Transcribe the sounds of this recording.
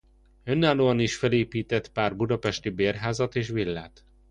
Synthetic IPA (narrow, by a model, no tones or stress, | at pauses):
ønːaːloːɒniʃfɛleːpiːt̪ɛt̪paːrbud̪ɒpɛʃt̪ibeːrɦaːzɒt̪eːʃʋilːa̰ːt̪